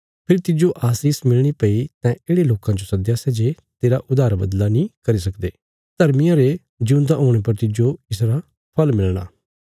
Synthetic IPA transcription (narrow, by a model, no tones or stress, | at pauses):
pʰɪɾt̪ɪd͡ʒoʔaːsiːsmɪlɽ̃ipəit̪ãʔeːɽeloːkãd͡ʒosɐd̪jasɛd͡ʒe | t̪eːɾaʔʊd̪aːɾbə̰d̪lanĩːkɐɾis̬ɐkd̪eː | t̪ɐɾmijãɾe | d͡ʒũnd̪aɦoːɽ̃epɐɾt̪ɪd͡ʒoɪsɾa | pʰɐlmɪlɽ̃a̰ː